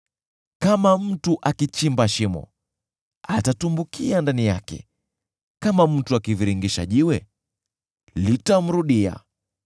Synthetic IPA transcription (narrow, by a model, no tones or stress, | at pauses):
kamam̩tuʔakit͡ʃimbaʃimɔ̰ | atatumbukʰiandanija̰kɛ̰ | kamam̩tuakiviɾiŋɡiʃa̰ʄiwɛ | litam̩ɾuɗia̰